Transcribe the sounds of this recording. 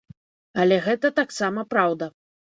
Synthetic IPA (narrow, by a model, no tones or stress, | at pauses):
ɐlʲɛɣɛt̪ɐt̪aksamɐpɾawd̪ɐ